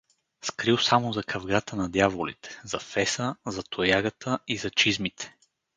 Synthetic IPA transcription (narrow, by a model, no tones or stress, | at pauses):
skɾiwˠsamozɐkʰɐvɡat̪ʰənɐd̪javolḭt̪ʰɛ̥zɐfɛsəzɐt̪ʰojaɡət̪ʰəizɐt͡ʃizmit̪ʰɛ̥